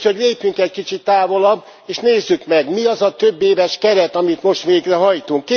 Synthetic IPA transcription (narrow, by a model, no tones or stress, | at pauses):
ho̞ɟleːpyŋkɛc̚kit͡ʃit̪ːaːvo̞lɒbː | eːʃneːzːykmɛɡmiɒzɒt̪ø̞bːeːvɛʃkɛɾɛt̪ɒmit̪mo̞ʃt̪ʋeːɡrɛɦɒjt̪uŋkː